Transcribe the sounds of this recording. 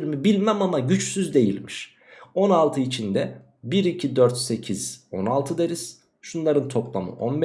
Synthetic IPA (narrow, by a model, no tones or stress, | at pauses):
ɾmibilʲmæmamaɟyt͡ʃsyzd̪e̞jilʲmiʃ | o̞nalˠt̪ʰɯit͡ʃʰind̪ɛ | biɾicʰid̪øɾt̪se̞cʰiz̥o̞nalˠt̪ʰɯd̪eɾiz̥ | ʃunlˠaɾɯnt̪ʰo̞plˠa̰mɯ̰ʔonb